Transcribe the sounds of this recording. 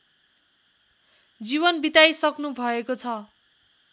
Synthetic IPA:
d͡ziβʌnbit̪ajsʌknubʱʌekot͡sʰʌ

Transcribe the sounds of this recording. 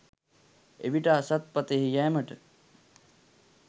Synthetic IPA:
ḛʋiʈasɐt̪̚pɐt̪eɦijɛːməʈə

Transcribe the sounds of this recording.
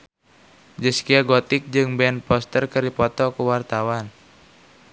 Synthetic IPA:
d͡ʒəskiaɡɔt̪ɪk̚d͡ʒɨŋbɛnpɔst̪ərkəɾipɔt̪ɔkəwart̪awan

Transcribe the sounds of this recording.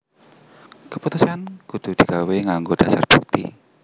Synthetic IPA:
kəput̪usianɡ̥ud̪̥ṳd̪̥i̤kaweŋaŋɡod̥a̤sa̰rb̥uk̚t̪ḭ

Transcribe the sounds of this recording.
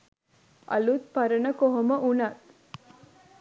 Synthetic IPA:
ʔɐ̰lut̪̚pɐɾənəkoɦoməʔunat̪

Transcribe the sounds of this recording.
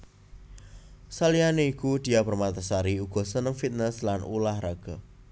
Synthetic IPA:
salianeikud̪̥i̤apərmat̪asaɾiuɡ̥ɔ̤sənəŋfit̪̚nəslanʔṵlahraɡ̥a

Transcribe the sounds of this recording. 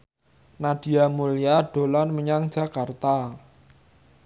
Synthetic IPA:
naɖ̥i̤amulijaɖ̥o̤lanməɲaŋ̥d͡ʒ̥a̤kart̪a

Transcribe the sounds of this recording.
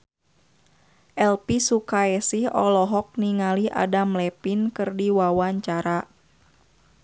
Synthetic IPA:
ʔɛlpisukaɛsihɔ̰lɔɦɔk̚niŋaliʔa̰damlɛpinkɨrdiwawaɲt͡ʃaɾa

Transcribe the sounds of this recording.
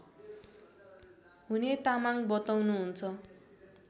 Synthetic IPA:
ɦunet̪amaŋbʌt̪awnuɦunt͡sʰʌ

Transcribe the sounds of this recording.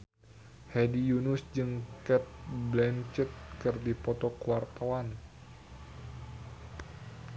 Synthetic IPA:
hɛdijunusd͡ʒɨŋkɛt̪̚blɛnt͡ʃət̪̚kɨrdipɔt̪ɔkwart̪awan

